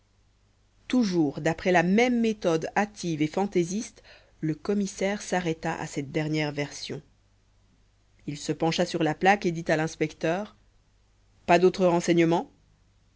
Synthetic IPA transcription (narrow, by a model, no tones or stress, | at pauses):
t̪uʒuʁd̪apχɛlamɛmːet̪ɔd̪at̪ʰivefɑ̃t̪ezist̪ | ləkɔmisɛʁsaʁɛt̪aʔa̰sɛt̪̚d̪ɛʁnjɛʁvɛʁsjɔ̰̃ | ilsəpɑ̃ʃasyʁlaplaked̪it̪alɛ̃spɛkt̪œːʁ | pad̪ot̪χəʁɑ̃sɛɲəmɑ̃